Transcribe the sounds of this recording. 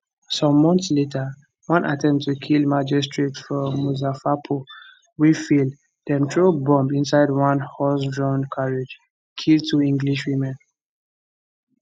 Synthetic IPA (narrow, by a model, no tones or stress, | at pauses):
sɔ̃mːɔ̃ntsletʰə | wãnʔatʰɛ̃mtʰːukʰilˠmad͡ʒistɹetfɔmuzafapʰo | wifil | dɛ̃mtʰɹobɔ̃mbĩnsaɪdwãnhɔsdɹɔ̃nkʰaɹid͡ʒ | kʰild̚tʰuĩŋɡliʃwĩmɛ̃n